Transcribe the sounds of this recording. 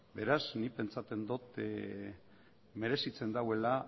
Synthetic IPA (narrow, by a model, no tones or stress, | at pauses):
be̞ɾaznipe̞nt͡sat̪e̞nd̪ot̪ | me̞ɾe̞sit͡se̞nd̪awe̞la